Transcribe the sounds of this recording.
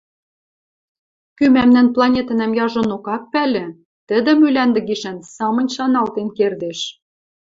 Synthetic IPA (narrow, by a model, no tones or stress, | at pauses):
kymæmnænplˠɑnʲet̪ɤ̆næmjɑʒɤ̆nokɑk̚pælʲɘ̆ | t̪ɘ̆d̪ɘ̆mylænd̪ɘ̆ɣiʃænsɑmɤ̆nʲʃɑnɑlt̪enkerd̪eʃ